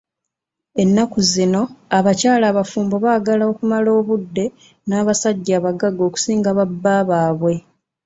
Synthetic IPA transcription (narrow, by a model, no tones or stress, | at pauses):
e̞nːakuzino̞aβacaːlaːβafuːmbo̞βaːɡalao̞kumalo̞ːβudːe̞ | naːβasaɟːaːβaɡaɡo̞ːku̥siːŋɡaβabːaːβaːβwe̞